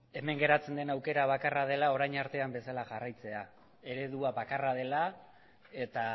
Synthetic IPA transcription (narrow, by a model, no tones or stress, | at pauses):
e̞me̞ŋɡe̞ɾat͡se̞nd̪e̞nawke̞ɾaβ̞akarað̞e̞lao̞ɾajɲaɾt̪e̞ambe̞salaʝarajt͡se̞a | e̞ɾe̞ðuaβakarað̞e̞la | e̞t̪a